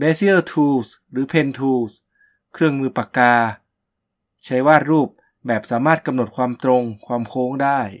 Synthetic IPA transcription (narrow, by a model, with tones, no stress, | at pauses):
beː˧˥si˦˥ə˥˩t̪ʰuː˧s | ɾɯː˩˦pʰe˧nt̪ʰuː˧˩s | kʰɾɯ˥˩əŋmɯː˧pa˨˩kaː˧ | t͡ɕʰa˦˥jwaː˥˩t̪̚ɾuː˥˩p̚ | bɛː˨˩p̚saː˩˦maː˥˩t̪̚ka˧mno˨˩t̪̚kʰwaː˧mt̪ɾo˧ŋkʰwaː˧mkʰoː˦˥ŋdaː˥˩j